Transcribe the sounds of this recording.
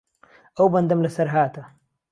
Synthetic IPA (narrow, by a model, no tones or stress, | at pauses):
ɐwbɐnd̪ɐmlɐsɐɾɦaːt̪ɐ